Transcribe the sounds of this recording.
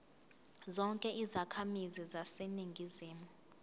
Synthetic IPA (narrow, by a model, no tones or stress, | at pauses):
zɔŋkʼɛʔizakʰamizizaseniŋɡʱiziːmu